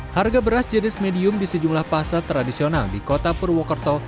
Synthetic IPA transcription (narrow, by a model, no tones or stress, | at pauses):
harɡabəɾasd͡ʒənɪsmediʊmdisəd͡ʒumlahpasat̪ɾadisionaldikot̪apurwɔkərt̪ɔ